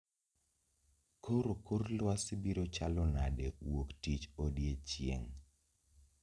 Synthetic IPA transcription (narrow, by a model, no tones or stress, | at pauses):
koɾokorlwasɪbiɾot͡ʃalɔnadewoktit͡ʃodjet͡ʃjḛŋ